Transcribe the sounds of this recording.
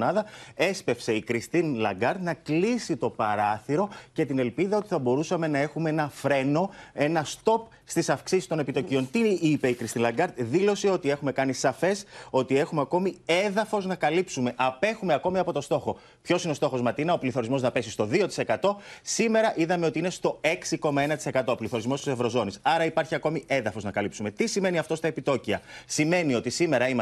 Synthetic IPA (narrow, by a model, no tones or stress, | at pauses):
nɐðɐe̞spe̞fse̞ikɾist̪inlɐ̰ɡɐɾt̪nɐklisit̪o̞pɐɾɐθiɾo̞ce̞t̪ine̞lpiðɐo̞t̪iθɐbo̞ɾusɐme̞nɐe̞xumeenɐfɾe̞no̞e̞nɐst̪o̞p | st̪isɐfksisist̪o̞ne̞pit̪o̞cio̞nt̪iipe̞ikɾist̪inlɐɡɐɾt̪ðilo̞seo̞t̪ie̞xume̞kɐnisɐfe̞so̞t̪ie̞xumeɐko̞mie̞ðɐfo̞znɐkɐlipsume̞ʔɐpe̞xume̞ɐko̞miɐpo̞t̪o̞st̪o̞xo̞ | pço̞sineo̞st̪o̞xo̞zmɐt̪inɐopliθo̞ɾizmo̞znɐpe̞sist̪o̞ðio̞t̪i̥se̞kɐt̪o̞sime̞ɾɐʔiðɐme̞o̞t̪iine̞st̪o̞e̞ksiko̞mɐe̞nɐt̪i̥se̞kɐt̪o̞ːpliθo̞ɾizmo̞st̪ise̞vɾo̞zo̞nisɐɾɐipɐɾçiɐko̞mie̞ðɐfo̞znɐkɐlipsume̞t̪isime̞niɐft̪o̞st̪ɐepit̪o̞ciɐsime̞nio̞t̪isime̞ɾɐim